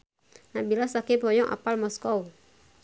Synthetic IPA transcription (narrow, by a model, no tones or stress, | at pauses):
nabilasakipɔjɔŋʔa̰palmɔskɔw